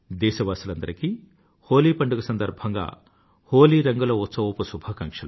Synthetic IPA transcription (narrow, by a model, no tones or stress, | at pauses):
d̪ɛːʃɐʋaːsulɐnd̪ɐɾiki | hoːliːpɐɳɖuɡɐsɐnd̪ɐɾbʱɐŋɡa̰ː | hoːliːɾɐŋɡulɐut̪sɐʋɐpusubʱɐkɐŋkʂɐlu